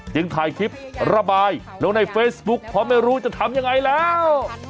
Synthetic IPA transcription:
t͡ɕɯ˧˦ŋt̪ʰaː˧jk̪ʰi˦˥p̚ɾa˧baː˧j | lɛ˦˥wna˧jfeː˦˥sbu˦˥k̚pʰɔ˧˥ma˥˩jɾuː˦˥t͡ɕa˨˩t̪ʰa˧mja˧ŋːa˧jlɛː˦˥w

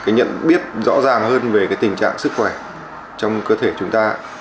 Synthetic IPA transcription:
kaː˨˦jɲə̰˧˨nɓi˦˥ət̚zɔ̰˧˥zaː˨˩ŋhəː˧nve˨˩kaː˨˦jt̪ï˨˩ŋ̟t͡ɕa̰ː˧˨ŋsɨ˦˥k̚xwɛ˧˩ | t͡ɕɔ˧wŋ͡mkəː˧t̪ʰe˧˩t͡ɕʊ˨˦ŋ͡mt̪aː˧

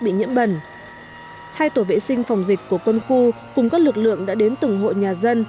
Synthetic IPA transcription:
ɓḭ˧˨ɲḭ˧˥əmɓə˨˩n | haː˧jt̪o˧˩vḛ˧˨sï˧ŋ̟fa˨˩wŋ͡mzï˨˩k̟̚ku˧˩əkwə˧nxu˧ | kʊ˨˩ŋ͡mkaː˦˥k̚lɨ˨˩k̚lɨ̰˧˨əŋɗa̰ː˧˥ɗe˨˦nt̪ɨ˨˩ŋɦo̰˧˨ɲaː˨˩zə˧n

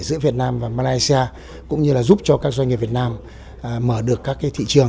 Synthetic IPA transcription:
zɨ̰˧˥vi˨˩ət̚naː˧mvaː˨˩maː˧laː˧jsi˧aː˧ | kʊ̰˧˥ŋ͡mɲɨ˧laː˨˩zu˦˥p̚t͡ɕɔ˧kaː˦˥k̚za˧ɲŋi˨˩vi˨˩t̚naː˧m˨ | məː˧˩ɗɨ˨˩əkːaː˦˥kːaː˨˦jt̪ʰḭ˧˨t͡ɕɨ˨˩əŋ

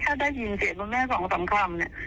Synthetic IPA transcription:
t̪ʰaː˥˩daː˥˩ji˧nsi˨˩t̪̚mo˧nmɛː˥˩sɔː˩˦ŋsa˩˦ŋkʰɾa˧mni˧˩ɐ

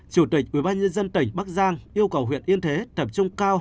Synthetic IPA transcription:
t͡ɕu˧˩t̪ï˨˩k̚ʔḭ˧˩ɓaː˧nɲə˧nzə˧nt̪ï˨˩ŋ̟ɓa˦˥k̚zaː˧ŋʔi˧əwkə˨˩wɦwḭ˧˨ənʔi˧ənt̪ʰe˨˦t̪ə˨˩p̚t͡ɕʊ˧ŋ͡mkaː˧w

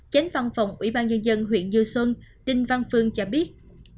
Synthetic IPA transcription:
t͡ɕa˨˦jŋva˧˩nfa˨˩wŋ͡mʔwḭ˧˩ɓaː˧nɲə˧nzə˧nɦwḭ˧˨ənɲɨ˧swə˧nɗï˧ŋ̟va˧nfɨ˧˩əŋt͡ɕɔ˧ɓi˦˥ət̚

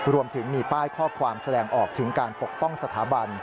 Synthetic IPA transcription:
ɾu˧əmt̪ʰɯ˩˦ŋmiː˧paː˥˩jkʰɔː˥˩kʰwaː˧msa˧dɛː˧ŋʔɔː˨˩k̚t̪ʰɯ˩˦ŋkaː˧npo˨˩k̚pɔ˥˩ŋsa˧t̪ʰa̰ː˩˦˥ba˧n

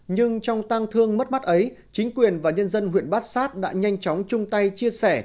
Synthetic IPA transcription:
ɲɨ˧ŋt͡ɕɔ˧wŋ͡mt̪a˧ŋt̪ʰɨ˧əŋmə˦˥t̚ma˦˥t̚ʔə˨˦j | t͡ɕï˨˦ŋ̟kwi˨˩ənvaː˨˩ɲə˧nzə˧nɦwḭ˧˩ənɓaː˦˥t̚saː˦˥t̚ɗa̰ː˧˥ɲa˧jŋ̟t͡ɕɔ˨˦wŋ͡mt͡ɕʊ˧ŋ͡mt̪a˧jt͡ɕi˧əsɛ˧˩

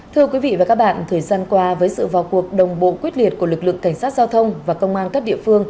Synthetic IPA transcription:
t̪ʰɨ˧əkwi˨˦vḭ˧˨vaː˨˩ka˦˥k̚ɓa̰ː˧˨nt̪ʰəː˨˩jzaː˧nkwaː˧vəː˨˦jsɨ̰˧˨va˨˩ku˨˩ək̚ɗə˨˩wŋ͡mɓo̰˧˨kwi˦˥t̚li˨˩t̚ku˧˩əlɨ˨˩k̚lɨ̰˧˨əŋka˧˩jŋ̟saː˦˥t̚zaː˧wt̪ʰə˧wŋ͡mvaː˨˩kə˧wŋ͡mʔaː˧nkə˦˥p̚ɗḭ˧˨əfɨ˧əŋ

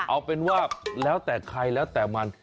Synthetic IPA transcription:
ʔa˧wpe˧nwaː˥˩lɛː˦˥wt̪ɛː˨˩kʰɾa˧jlɛː˦˥wt̪ɛː˨˩ma˧n

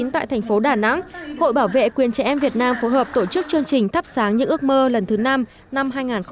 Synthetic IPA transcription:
i˨˦nt̪a̰ː˧˨jt̪ʰɛ˨˩ŋ̟fo˨˦ɗaː˨˩na̰˧˥ŋho̰˧˨jɓaː˧˩wvḛ˧˨kwi˨˩ənt͡ɕɛ˧˩ʔɛ˧mvi˨˩ət̚naː˧mfo˨˦jɦəː˨˩p̚t̪o˧˩t͡ɕɨ˦˥k̚t͡ɕɨ˧əŋt͡ɕï˨˩ŋ̟t̪ʰa˦˥p̚saː˨˦ŋɲɨ̰˧˥ʔɨ˦˥ək̚məː˧lə˨˩nt̪ʰɨ˨˦na˧m | na˧mɦaː˧jŋaː˨˩nxə˧

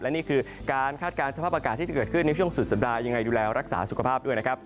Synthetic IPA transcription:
lɛ˦˥niː˥˩kʰɯː˧kaː˧nkʰaː˥˩t̪̚kaː˧nsa˧aː˥˩p̚ʔa˧kaː˨˩t̪ʰːiː˥˩a˨˩kɤː˨˩t̪̚kʰɯ˥˩nːa˧˥t͡ɕʰu˥˩əŋsu˨˩sa˩˦p̚daː˧ja˧ŋːa˧jduː˧lɛː˧ɾa˦˥k̚sa̰ː˩˦su˨˩kʰa˧pʰaː˥˩p̚du˥˩əjna˥kʰa˦˥p̚

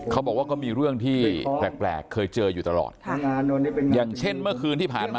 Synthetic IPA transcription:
kʰa˦˥wbɔː˨˩k̚waː˥˩kɔː˥˩miː˧ɾɯ˥˩əŋt̪ʰiː˥˧˥lɛː˨˩k̚plɛ̰ː˨˩kkʰːɤː˧jt͡ɕɤː˧juː˨˩t̪a˧lɔ̰ː˨˩t̪̚ʰŋaː˧nːo˧niː˥˩pe˧njaː˨˩ŋt͡ɕʰe˥˩nmɯ˥˩ɐkʰɯː˧nt̪ʰiː˥˩pʰaː˨˩nmaː˧

